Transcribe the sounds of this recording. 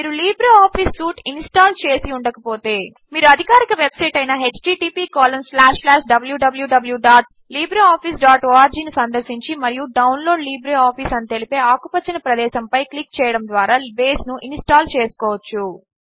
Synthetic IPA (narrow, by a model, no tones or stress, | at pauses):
miːɾuliːbɾaːpʰiːsːuːʈinsʈaːlt͡ʃeːsiuɳɖɐkɐpo̞ːt̪e̞ː | miːɾuɐd̪ʱikaːɾikɐʋebsɐjʈɐjnɐɦe̞t͡ʃʈiːʈiːpiːkaːlɐmslaːʂlaːʃɖɐbɐljuɖɐbɐljuɖɐbɐljuɖaːʈ̚ | liːbɾɐaːpʰiːsɖaːʈaːɾd͡ʒiːnisɐnd̪ɐɾsiɲt͡ʃimɐɾijuɖɐwnlo̞ːɖliːbɾeaːpʰiːsɐnit̪elipe̞ːaːkupɐt͡ʃːinɐpɾɐd̪ɛːʃɐmpɐjklik̚t͡ʃɛːjɐɽɐmd̪ʋaːɾaːbeːsnuʔinsʈaːlt͡ʃeːsu̥kɔːʋɐt͡ʃːu